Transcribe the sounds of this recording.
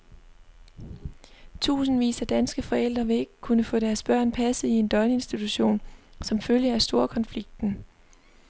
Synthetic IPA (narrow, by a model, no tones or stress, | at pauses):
t͡sʰṵːsn̩ʋḭːsæd̥ænsɡ̥əfɒ̽el̰d̥ʁɐʋe̝e̝ɡ̥kʰunəfɔ̰̽ːɾ̥æɐsb̥ɶɐ̰npʰæsð̩ˠie̝nd̥ɒ̽nəe̝nsd̥it͡sʰuɕo̝̰ːnsɒ̽mføljəæsd̥o̝ːɐkʰɒ̽nfliɡ̥̚d̥n̩